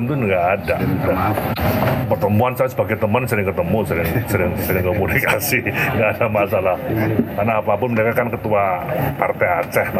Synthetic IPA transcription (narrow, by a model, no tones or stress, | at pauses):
nt̪ʊnɡaːdada | pərt̪əmuansajasəbaɡajt̪əmansəɾɪŋkət̪əmusəɾɪŋsəɾɪŋsəɾɪŋkomunikasiŋɡaːdamasalahkarnaːpapʊnmənakakankət̪uapart̪ɛat͡ʃɛhn